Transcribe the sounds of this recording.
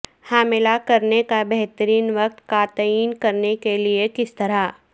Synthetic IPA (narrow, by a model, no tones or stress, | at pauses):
haːmɪlakɐɾnekabɛɦt̪əɾiːnʋɐq̚t̪kat̪əiːnkɐɾnekeliekɪst̪ɐɾa